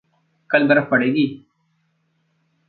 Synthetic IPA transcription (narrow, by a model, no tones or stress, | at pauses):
kɐlb̪ɐɾəfpɐɽeːɡiː